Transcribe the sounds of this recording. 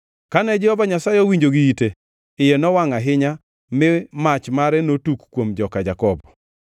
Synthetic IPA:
kanɛd͡ʒɛhɔvaɲasajɔwiɲd͡ʒoɡiite | ɪjenɔwaŋaɦɪɲa | mɪmat͡ʃmaɾɛnotukkwomd͡ʒɔkad͡ʒakɔbɔ

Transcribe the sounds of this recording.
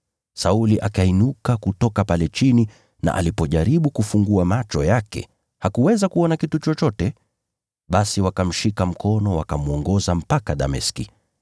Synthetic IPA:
sauliʔakainukakutɔkapalɛt͡ʃini | na̰ʔa̰lipɔʄaɾiɓukufuŋɡuamat͡ʃɔjakɛ̰ | hakuwɛzakuɔnakitut͡ʃɔt͡ʃɔtɛ | ɓasiwakam̩ʃikam̩kɔnɔwakamuɔŋɡɔzam̩pakaɗa̰mɛskḭ

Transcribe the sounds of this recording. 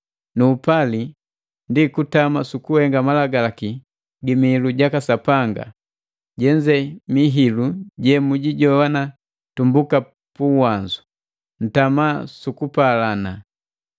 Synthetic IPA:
nuːpali | ndikutamasukuhɛŋɡamalaɡalaki | ɡimiiluɟakasapaŋɡa̰ | ɟɛɲd͡ʒɛmiɦiluɟɛmuɟiɟɔwana | tumbuka | puwaɲd͡ʒu | n̩tamasukupalana

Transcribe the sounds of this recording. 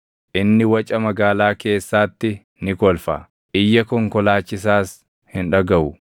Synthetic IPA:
ʔɪnːɪwɐt͡ʃʼɐmɐɡaːlaːke̞ːsːaːt̪ːɪ | nɪkɔlfɐ̰ | ʔɪjːɐkɔŋkɔlaːt͡ʃːɪs̬aːs | hɪnᶑɐɡɐʔʊ

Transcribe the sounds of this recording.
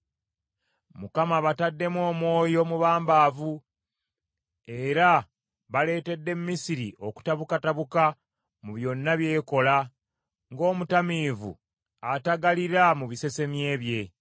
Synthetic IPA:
mukamaβatadːe̞mwo̞ːmwo̞ːjo̞muβaːmbaːvu | e̞ɾa | βale̞ːte̞dːe̞muːisiɾiʔo̞ku̥taβukataβuka | muβjo̞nːaβje̞ːko̞la | ŋɡo̞ːmutamiːvṵ | ataɡaliɾamuβise̞se̞mje̞ːβje̞

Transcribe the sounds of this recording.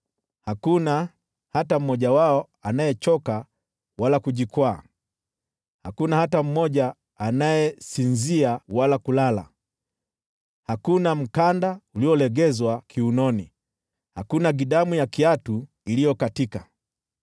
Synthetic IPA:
hakuna | hatam̩mɔʄawaɔ | anajɛt͡ʃɔka | walakuʄikwa̰ː | hakunahatam̩mɔʄaː | najɛsinziawalakulala̰ | hakunam̩kandauliɔlɛɡɛzwakʰiunɔni | hakunaɡiɗamujakiatu | ilijɔkatika

